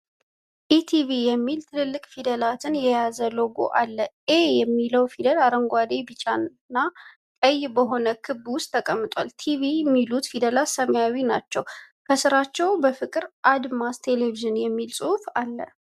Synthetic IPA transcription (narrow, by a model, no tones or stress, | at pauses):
ʔit̪ʰivijɛmːilt̪ʰɨlɨlːɨkʼfid̪əlat̪ʰɨnjɛjazəloɡo̰ʔalːəʔejɛmːiləwfid̪əlaɾəŋɡʷad̪ebɨt͡ʃʼan | nːa | kʼəjbəɦo̞nəkʰɨbːwʊst̪ʰːəkʼəmːɨt̪ʼwalt̪ʰivimːilut̪fid̪əlasəməjawinat͡ʃːɛw | kʰəsɨɾat͡ʃːɛwbəfɨkʼɨɾʔad̪mast̪ʰe̞le̞viʒɨnjɛmːilsʼuhfalːə̰